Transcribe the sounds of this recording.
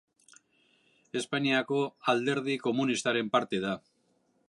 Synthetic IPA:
e̞spaɲiako̞ald̪e̞ɾð̞iko̞munist̪aɾe̞mpaɾt̪e̞ð̞a

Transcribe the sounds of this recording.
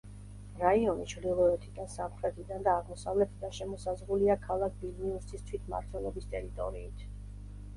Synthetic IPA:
ɾaiɔnit͡ʃʰvɾd̪ilˠɔɛt̪ʰid̪ansamχɾɛt̪ʰid̪and̪aːʁmɔsavlɛt̪ʰd̪anʃɛmɔsazʁuliakʰalˠak̚ʰbilniusist̪ʰwit̪ʰma̰ɾt̪ʰwɛlˠɔbist̪ʼɛɾit̪ʼɔ̰ɾḭːt̪ʰ

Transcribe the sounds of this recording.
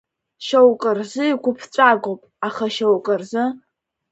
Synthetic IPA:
ʃowkʼərzɨikʷʊpʰt͡ɕʷʼaɡʷowpʼaχaʃowkʼərzɨ

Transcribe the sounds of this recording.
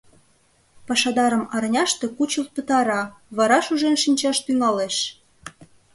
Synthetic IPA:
pɑʃɑd̪ɑɾəmɑɾnʲɑʃt̪ekut͡ɕəlt̪̚pə̆t̪ɑɾɑβɑɾɑʃuʒenʃinʲt͡ɕɑʃt̪yŋɑleʃ

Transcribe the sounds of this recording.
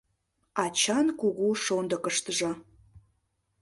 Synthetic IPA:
ɑt͡ɕɑnkuɣuʃond̪ə̆kəʃt̪əʒɑ

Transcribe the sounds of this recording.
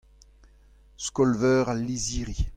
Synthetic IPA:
skɔlvœːʁalːiziːʁi

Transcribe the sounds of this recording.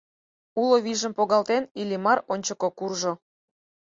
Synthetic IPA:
uloβiʒə̆mpoɣɑlt̪enilʲimɑronʲt͡ɕəkokurʒo

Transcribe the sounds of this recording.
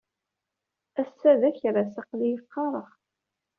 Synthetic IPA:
æsːæðæçɾasɑqlijəqːɑɾˤəʁ

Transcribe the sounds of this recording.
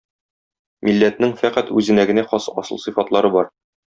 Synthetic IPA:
milːæt̪nɘŋfæqæt̪ʉzɘ̆næɡɘ̆næχɒsɒsɤ̰̆lˠsɤfɑt̪lˠɑɾɤbɒɾ

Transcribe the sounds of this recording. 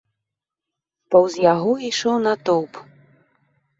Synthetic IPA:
pɐwzjaɣɔiʂɔwnɐt̪ɔwp

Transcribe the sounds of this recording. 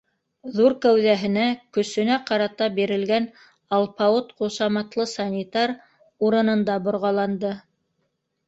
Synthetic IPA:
ðuɾkæwðæɦɘ̆nækɵ̆sɵ̆næqɑɾɑt̪ɑbiɾɘ̆lɡæn | ɑlˠpɑot̪qusɑmɑt̪lˠɤsɑnʲit̪ɑɾ | uɾɤ̆nɤ̆nd̪ɑbŏɾʁɑlˠɑnd̪ɤ

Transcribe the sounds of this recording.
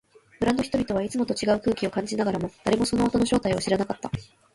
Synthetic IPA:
bɯ̟ɾãnd̪o̞çi̥t̪o̞bʲit̪o̞β̞ait͡sɨmo̞t̪o̞t͡ɕiɡaɯ̟kɯ̟ːkʲio̞kãɲ̟d͡ʑinaɡaɾamo̞d̪̥aɾe̞mo̞so̞no̞ːt̪o̞no̞ɕo̞ːt̪aioɕiɾanakat̪ːa

